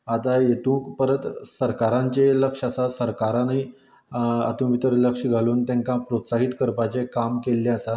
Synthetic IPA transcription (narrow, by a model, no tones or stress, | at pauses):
at̪ajet̪ũːkpəɾət̪səɾkaɾãɲt͡ɕeləkʂasasəɾkaɾani | a̰t̪ũʋit̪əɾləkʂiɡʱaluːnt̪jãŋkãpɾot̪saɦit̪kəɾpat͡sekamkelːẽəsa